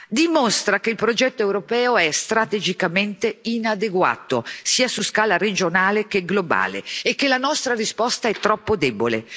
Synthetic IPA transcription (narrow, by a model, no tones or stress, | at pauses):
d̪imost̪ɾakeilpɾod͡ʒɛt̪ːoɛwɾopɛːoɛst̪ɾat̪ed͡ʒikament̪einad̪eɡwa̰ːt̪osiːasuskaːlaɾed͡ʒonaːlek̟eɡloba̰ːlḛːkːelanɔst̪ɾarispɔst̪aɛt̪ːɾɔpːod̪ɛːbolḛ